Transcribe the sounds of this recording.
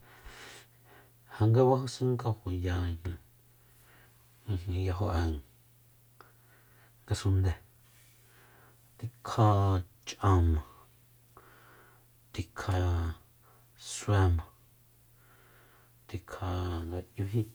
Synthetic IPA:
ha˧ŋɡe˦wa˦hu˧sĩ˦ŋka˧hu˨jã˧˨˧nĩ˧ | ĩ˧ɦĩ˧ja˧ɦo˧ʔɛ˧˨ŋ | ŋɡa˧sũ˧nd̪e˨ | t̪i˧kʰa˧ | t͡ʃʔã˧mã˨ | t̪i˧kʰa˧ | swɛ˧mã˨ | t̪i˧kʰa˧ŋɡa˧ju˧ɦĩ˦

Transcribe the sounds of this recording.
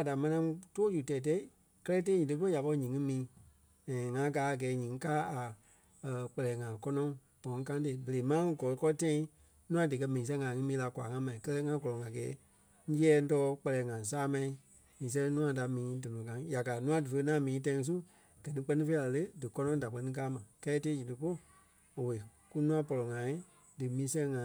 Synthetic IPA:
a˨da˨mɛ̃˧nã˧˦˧toː˦d͡ʒu˨tɛ˨t̬ɛ˧˦i˦˨ | kɜ˦lɛ˦tã˦ɲĩː˨ə˧pɔ˦ja˨pɔ˧i˧ɲĩ˨ŋɨ̃˦mĩː˨˦ | ɛ̃˨ŋã˧ɡaː˨˦a˨ɡɛː˨˦ɲĩː˨ŋ˦kaː˦a˨ | k͡pɛ˧lɛː˨ŋã˨kɔ˧nɔ̃˧˦ŋ | b̥ɔ̃˨˦ŋ˦kã˧˦te˧˨˦bə˨le˨˦mã˦ɡɔ˨lɔ˨˧kɔ˦˧tã˧˦ĩ˦ | nũ˦ã˧dɨ˨k̬ɜ˧mĩ˨ĩ˨s̬ɛ̃˧˦ŋã˨ŋɨ̃˧˦mĩː˨˦˧la˧kʷa̰˨ŋã˧˦mã˨ĩ˨˦kɜ˦lɛ˦ŋã˧ɡɔ˨lɔ̃˨ŋã˨ɡɛː˨˦ | ŋ̩˦jɛː˦˧˦tɔː˧˦k͡pɛ˧lɛː˨˦ŋã˨saː˦mã˧ĩ˧ | mĩː˨s̬ɛ̃˧˦nũ˦ã˧da˨mĩː˨˦dɔ˨ɔ̃˨kã˨˦ŋ˦ja˨kaː˨nũ˦ã˧dɨ˨fə˧ŋã˨˦mĩː˨˦t̬ã˧˦ŋ˧˦s̬u˦ | ɡ̥ɜ˨nĩ˧˦k͡pɜ˧nĩ˦feː˦la˨lə˦dɨ˨kɔ˦nɔ̃˧˦da˨k͡pɜ˧nĩ˧˦k̬aː˦mã˨kɛ˦teː˦d͡ʒi˨tɨ˧po˦˨ | o˨we˨ | ku˦nũ˦ã˧˦pɔ˨lɔ˨ŋã˨˦ĩ˦ | dɨ˨mĩː˨˦sɛ̃˧ŋã˨

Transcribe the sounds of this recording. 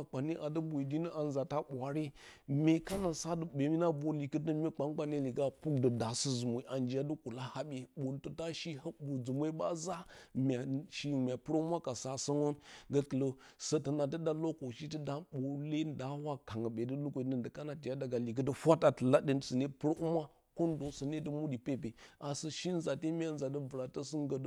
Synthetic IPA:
k͡pa˨ni˦ʔa˨də˦bu˨i˨d͡ʒi˦ni˦ʔa˨n˨za˨ta˦ɓʷa˨ɾi˦me˨ka˦na˨sa˦də˨ɓe˨mi˦na˦bo˨li˨kə˦tə˦mʲi˦k͡pa˦ŋk͡pa˦ne˦li˨ɡa˦pu˦k̚də˨da˨sə˦zu˨mo˨i˨˦ʔa˨nd͡ʒi˨˦ja˦də˦ku˨la˦ha˦ɓe˨ɓo˨ntə˨ta˦ʃi˦ha˦bu˨d͡zu˨me˦ba˦za˦mʲa˨ʃi˦˨mʲ˨a˨pu˦ɾo˦mʷa˦ka˨sa˦sə˦ŋo˦nɡə˦kə˨lo˦ | sə˦tə˨na˨t̬ə˦da˦lo˦ko˨ʃi˦tə˦da˦ɓo˨le˦nda˦wa˦ka˨ŋə˨ɓe˨də˦lu˦kʷo˨i˨nə˦ndə˨ka˦na˨ti˨ja˦da˨ɡa˨li˨ɡə˦də˦hʷa˦ta˨tə˨la˦di˦n˨sə˨ne˦pə˦ɾo˦ʔu˦ma˦ | ko˦ndo˨sə˨ne˦də˦mu˦di˨pe˦pe˨a˨sə˦ʃi˦n˦za˨te˦mʲ˦a˦nza˨də˦və˨ɾa˨tə˦sə˦ŋ˦ɡə˨d

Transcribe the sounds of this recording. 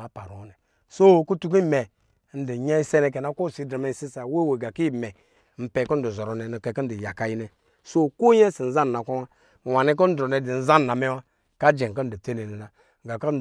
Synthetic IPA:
a˨˦pa˨ɾu˨˦nɛ˨ | so˦˨ku˦tu˦k̬i˦˨mɛ˨˦ | n̩˦di˨ɲɛ˦i˦sɛ˦ne˧k̬ɛ˨na˦ko˦˨si˨dɾa˨me˦n˨si˦sa˨˦we˦˨we˨ɡa˨ki˦˨mɛ˨ | m̩˨˦pɛ˨ko˦n̩˦du˨zɔ˨ɾɔ˨nɛ˨n˨kɛ˨ki˦n̩˦di˨ja˨ka˨ji˦nɛ˨ | so˦ko˦jɛ˦si˨n̩˦za˦n˨na˨kʷa˦wa˦˨ | wa˨ni˦k̬o˦n̩˦dɾo˨nɛ˨di˨n̩˦za˦n˨na˨me˦wa˦ | ka˦d͡ʒe˨k̬a˦n̩˦di˨te˦ne˨nɛ˨na˨ | ɡa˨ka˦n̩˦˨

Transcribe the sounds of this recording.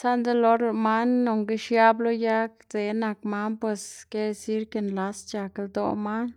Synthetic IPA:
sa˦nd̪e˦lo˦ɾe˧ma˦nːo˨ŋɡe˦ʃja˦blo˦ja˦kd͡ze˨na˨kma˦npwe˧ske˦˧si˦ɾke˧nla˧st͡ʃa˨kld̪o̰˧ma˦n

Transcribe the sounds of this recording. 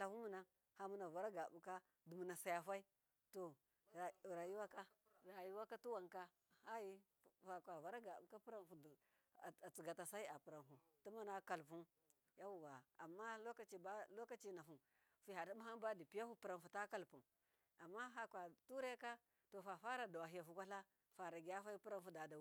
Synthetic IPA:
la˨fu˦mu˨na˦ | ha˨mu˦na˨va˨ɾa˦ɡa˨bu˨ka˦ | du˨mu˨na˨sa˨ja˨fa˦i˦ | to˨ | ɾa˨ju˦wa˦ka˦˨ | ɾa˨ju˦wa˦ka˦tu˦wa˨ŋka˦ | ha˦ji˦ | fa˨kʷa˨va˨ɾa˦ɡa˨bu˨ka˦pu˦ɾa˦˨nfu˨ | a˨t͡si˨ɡa˨ta˨sa˦i˦a˨pu˨ɾa˨nfu˨ | tu˦ma˦na˦ka˨lp̬u˦n | ja˦wu˨wa˨a˨mːa˦lo˦ka˦t͡ʃi˨ba˦lo˦ka˦t͡ʃi˦na˨fu˨m | fi˦˨a˨di˦mu˦ɦa˦n˦ba˦di˨pi˦ja˦hu˦pi˨ɾa˨n˨fu˨ta˦ka˦lpu˨n | a˨mːa˦ɦa˦kʷa˨tu˦ɾe˦ka˦ | to˨fa˨fa˦ɾa˨da˨wa˨ɦi˨ja˨fu˨kʷa˦ɬa˦ | fa˨ɾa˨ɡi˨ja˦fa˦i˦pi˦ɾa˦nfu˦da˨da˨˦

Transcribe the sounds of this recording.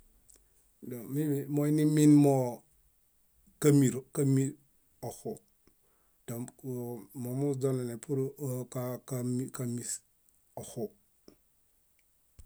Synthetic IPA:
do˨mi˦mo˦i˦ni˦mi˦nmo˦ | ka˦mi˨ɾka˦mi˦ɾ | o˨xu˨ | ta˨ | mo˨mu˦d͡ʒo˦ne˨ne˨pu˦ɾkakamika˦mi˨s | o˨xu˨

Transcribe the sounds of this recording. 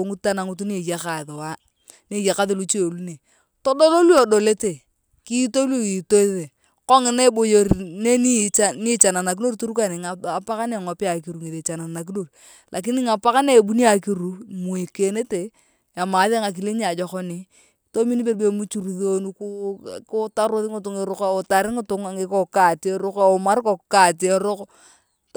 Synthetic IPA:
o˨ŋu˦ta˦na˨ŋu˦tu˦ne˨ja˦ka˨ðo˨wa˦ | ne˦˨ja˨ka˦ðe˨lu˦t͡ʃe˦˨lu˦ne˨ | to˦do˦lo˦lu˦o˨do˨le˦te˨ | ki˦to˦lo˦i˨to˦ðe˨ | kɔ˦ŋɪ˨˦na˦bo˨jo˨ɾne˦ni˦a˦ni˦t͡ʃa˨na˨na˨k̬i˦no˦ɾtu˦ɾu˦ka˨nɪ˨ŋa˨a˨pa˦ka˦ne˨ŋɔ˨pɪ˦a˨ki˨ɾu˨ŋi˨ðe˨t͡ʃa˨na˨na˨k̬i˦no˦r | lʔa˨k̬ɪ˦nɪ˦ŋa˨pa˦ka˦ne˦˨bu˦ni˦a˨ki˦ɾu˨mu˨i˨ke˨ne˦te˨ | a˨ma˨˦ðe˦ŋa˨k̬i˨le˦ɲ˦a˨d͡ʒɔ˨kɔ˦ni˨ | to˦mi˦ni˦be˦˨ɾbe˨mu˦t͡ʃu˨ɾu˨ðo˦nu˦kkʊ˦ta˦ɾo˦ðɪ˦ŋɪ˨tʊ˨ŋɪ˨ɾʊ˦ka˨o˨ta˨ɾɪ˦ŋɪ˦tʊ˨˦ŋa˨ŋɪ˦ko˦˨ka˨te˦ɾʊ˦ka˦˨o˨ma˦ɾko˨ka˨tɾʊ˦k

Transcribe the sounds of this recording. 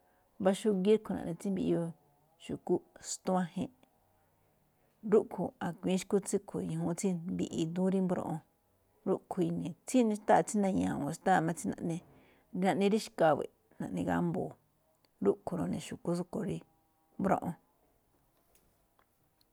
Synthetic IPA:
βa˧ʃu˧ɣi˦ɾkʰu˨nã̰˨ʔnĩ˧t͡si˦mbi˧ʔi˧o˧ | ʃu˨ku˦st̪u˦ã˦hḛ̃˧ | ɾu˦ʔkʰu˧a˨kʷĩː˨˦ʃku˦t͡si˦kʰu˨˧jĩ˨ɦũ˧t͡si˦mbḭ˧˨ʔi˧d̪ũ˦ɾi˦mbɾõ̰˧ʔõ˧ | ɾu˦ʔkʰu˧i˧nĩ˨t͡si˦nĩ˧ʃt̪a˦ʔt͡si˦nã˧ɲãː˨wã˨ʃt̪a˦˨mã˧t͡si˦nã̰˧ʔnẽ˧ | nã˧ʔnĩ˧ɾi˦ʃka˧βḛ˨ | nã˨ʔnĩ˧ɣa̰˦mboː˨ | ɾu˦ʔkʰu˧ɾõ˧nẽ˨ʃu˨ku˦s̬u˦ko˨ɾi˧ | mbɾõ̰˦ʔõ˧

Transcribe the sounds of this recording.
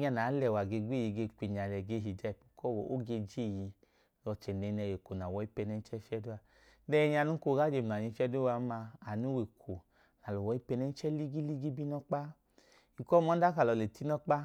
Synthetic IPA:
ɲa˧˨naː˨˦lɛ˧˨wa˨ɡe˧ɡʷe˦˨ji˨˧˨ɡe˧kʷi˧˨ɲ˨a˨lɛ˧ɡe˧˦ɦi˧˨d͡ʒa˦i˨pu̥˨kɔ˦˨wɔ̰˨o˦ɡe˧d͡ʒe˦˨ji˧ | lɔ˧t͡ʃɛ˨nɛ˨˧nɛ˧˨je˨ko˨na˨wɔ˧˦i˦pɛ˧nɛ˧n̩˦t͡ʃɛ˦fɛ˦du˦a˧ | dɛ˦˧ɲ˦a˧nu˦ko˧˦ɡa˦d͡ʒe˧m˨a˨ɲi˧fʲɛ˦du˦a˧˦ma˧a˨nu˦we˨kʰo˨ | na˨lo˨wɔ˧˦i˦pɛ˧nɛ˧n˦t͡ʃɛ˦li˦ɡi˦li˦ɡi˦bi˦nɔ˦k͡pa˦ | i˨kɔ˦mɔ˨˦da˦ka˨lɔ˨˧˨le˨ti˦nɔ˦k͡pa˦

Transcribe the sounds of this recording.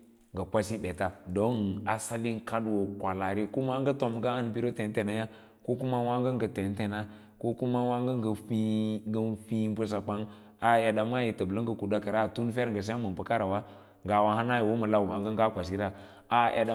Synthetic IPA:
ŋɡə˨kʷa˦si˦be˨ta˨do˦na˨sa˦li˦ŋka˦dwo˨kʷa˨la˨ɾe˦ku˦ma˦ɡə˦to˨mɡa˦a˦nbi˦ɾo˦te˨n˦te˨na˦ja˦ | ko˦ku˦ma˦wa˦ŋɡə˦ŋɡə˨te˨n˦te˨na˦ | ko˦ku˦ma˦wa˦ŋɡə˦ŋɡə˨fi˦ɡə˦nfi˦bu˦s̬a˨k͡pa˦ŋ | a˨ja˨da˨m˦a˦ji˨tə˨blə˦ŋ˦ɡə˨ku˨da˦ka˨ɾa˦˨tu˦n˦fe˦ɾŋɡə˨s̬a˦mə˨pə˦ka˦ɾa˨wa˦ | ŋɡa˨wa˦ha˦na˦ji˨wo˦mə˨la˦˨wa˨ŋɡə˦ŋɡa˦kʷa˨s̬i˦ɾa˦ | a˦ʔa̰˨da˨

